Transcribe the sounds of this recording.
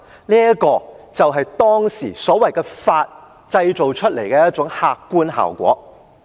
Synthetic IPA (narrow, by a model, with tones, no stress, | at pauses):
niː˥ɐ˥kɔː˧t͡sɐ˨wɦɐ˨jt̪ɔː˥ŋsiː˨˩sɔː˨˥wɐ˨jkɛː˧faː˧t̚ | t͡sɐ˧jt͡so˨wt͡ʃʰɵ˥t̚le˨˩jkɛː˧jɐ˥t̚t͡ʃʊ˨˥ŋhaː˧kːuː˥nɦa̰ː˨˩wkʷɔ̰ː˨˥